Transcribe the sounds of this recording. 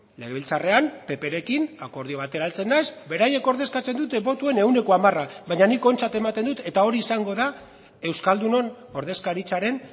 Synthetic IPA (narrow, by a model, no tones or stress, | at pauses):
le̞ɣeβ̞ilt͡sare̞ampe̞pe̞ɾe̞kinako̞ɾð̞io̞β̞at̪e̞ɾalt͡se̞nːajzbe̞ɾaje̞ko̞ɾðe̞skat͡se̞nd̪ut̪eβo̞t̪ue̞ne̞wne̞ko̞amaraβajɲaniko̞nt͡sat̪e̞mat̪e̞nd̪ut̪e̞t̪ao̞ɾiːsaŋɡo̞ða | e̞wskald̪uno̞n | o̞ɾð̞e̞skaɾit͡saɾe̞n